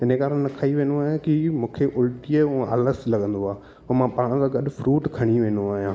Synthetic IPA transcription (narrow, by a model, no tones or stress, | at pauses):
ɪnekaːɾəɽ̃nɐkʰaːiʋẽːnoaːɦjãkimũːkʰeʔʊlʈiəũa̰ːləslɐɠə̃nd̪oaː | ɐmãpaːɽ̃d͡ʑaɡɐɗʊ̆fɾuːʈkʰɐɽ̃iʋẽːnd̪oaːɦijãː